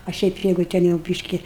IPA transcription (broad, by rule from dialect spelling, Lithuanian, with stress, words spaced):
ɐ ˈʃʲɛɪp ˈjɛɪɡʊ ˈtʲɛn jɛʊ ˈbʲiːʃʲkʲɪ